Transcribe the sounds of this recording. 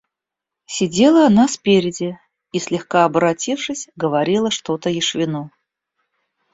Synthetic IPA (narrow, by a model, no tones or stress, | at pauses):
sʲɪdʲe̞lˠəɐnaspʲeɾʲɪdʲɪ | isʲlʲɪxkaɐbəɾɐtʲifʂɨsʲɡəvɐɾʲilˠəʂt̪ot̪əjɪʂvʲɪnu